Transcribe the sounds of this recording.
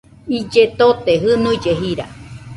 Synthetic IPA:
id͡ʒet̪ot̪eɦɨnũid͡ʒeɦiɾa̰

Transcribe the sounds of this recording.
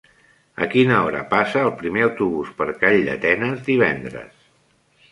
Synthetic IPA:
ə̰kinəɔɾə̰pasəːlˠpɾimeəwt̪uβuspəɾkaʎːə̰t̪ɛnəzd̪iβ̞ɛ̰nd̪ɾə̰s

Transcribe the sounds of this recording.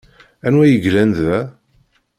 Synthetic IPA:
ænwæjəʝlænðæ

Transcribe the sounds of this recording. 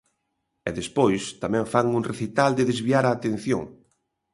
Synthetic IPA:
ɛðespojst̪amɛ̃ɱfaŋunreθit̪ald̪ɪðezβiaɾaːt̪ẽnθjo̰ŋ

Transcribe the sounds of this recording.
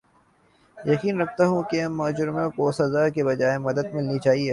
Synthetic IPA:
jɐkiːnɾɐk̚ʰt̪aɦũkeɐmːaːd͡ʒʊɾmõkosɐzaːkebɐd͡ʒaːemɐd̪əd̪mɪlnit͡ʃaːɦieː

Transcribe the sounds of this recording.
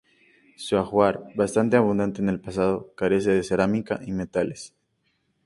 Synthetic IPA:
suaxwaɾβast̪ant̪e̞aβ̞ũnd̪ant̪eːne̞lpasað̞o̞kaɾe̞s̬e̞ðe̞seɾamika̰ʔime̞t̪ale̞s

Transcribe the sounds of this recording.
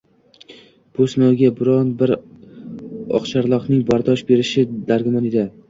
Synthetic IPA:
b̥ʊsɪnɒwɡʲabɪɾɒnbɪɾ | ɒ̰χt͡ʃʰaɾlˠɒqnɪŋbaɾd̪ɒʃbe̞ɾɪʃɪd̪aɾɡʲɪmaned̪ɪ

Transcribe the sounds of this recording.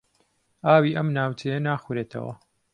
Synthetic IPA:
ʔaːwiːʔɐmnaːwt͡ʃʰejɐnaːxuɾeːt̪ʰɐ̰wɐ̰

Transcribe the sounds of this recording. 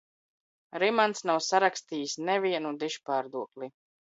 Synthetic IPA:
ɾimansnawsaɾakst̪iːjsnɛviɛnud̪iʃpaːɾd̪uɔkli

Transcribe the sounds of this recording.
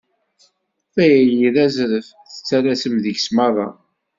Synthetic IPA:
θæjæjiðæzɾəfθə̥t͡sːæɾæsəmðəʝsmɑðˤɑ

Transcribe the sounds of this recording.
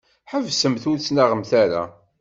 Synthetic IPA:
ħəvsəmθuɾt͡sːnaʁəmθaɾa̰

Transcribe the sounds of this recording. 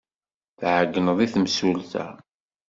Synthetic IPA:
θʕəɡːənəðˤiθmsulθæ̰

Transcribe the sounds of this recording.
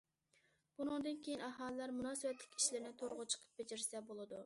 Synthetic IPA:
b̥unɨŋd̪ɨnkʲʰejinɑɦɑːlˠɨlɑɾmunɑːsɨwɛt̪lʲɪ̥kʲi̥ʃlɪɾnɪt̪ʰoɾʁʊt͡ʃʰə̥qʰə̥p̚bed͡ʒɪɾsɛbolˠɨd̪u

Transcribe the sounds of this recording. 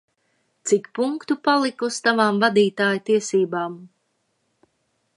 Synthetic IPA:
t̪sikpuŋkt̪upalˠikust̪avaːmvad̪iːt̪aːjut̪iɛsiːbaːm

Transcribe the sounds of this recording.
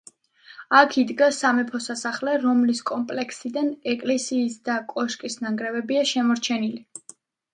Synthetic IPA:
akʰid̪ɡasamɛpʰɔsasaχlɛɾɔmliskʼɔmpʼlɛkʰsid̪anɛkʼlɛsiːsd̪akʼɔʃkʼisnaŋɡɾɛvɛbiaʃɛmɔɾt͡ʃʰɛnili

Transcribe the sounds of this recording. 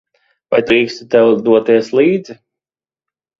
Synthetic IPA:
va̰jd̪ɾiːkst̪u̥t̪ɛwd̪uɔt̪iɛslˠiːd̪zi

